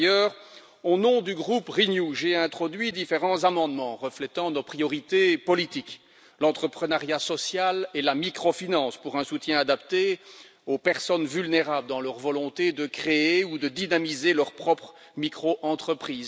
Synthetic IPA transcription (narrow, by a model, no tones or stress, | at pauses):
jœːʁ | onɔ̃d̪yɡʁupʁinjuʒeɛ̃t̪χɔd̪ɥid̪ifeʁɑ̃zamɑ̃d̪mɑ̃ʁəflɛt̪ɑ̃nɔpχijɔʁit̪epɔlit̪ik | lɑ̃t̪χəpχənaʁjasɔsjalelamikχɔfinɑ̃spuʁɛ̃sut̪jɛ̃ad̪apt̪e | opɛʁsɔnvylneʁabləd̪ɑ̃lœʁvɔlɔ̃t̪ed̪əkχeeud̪əd̪inamizelœʁpχɔpχ | mikχoʔɑ̃t̪χəpχiːz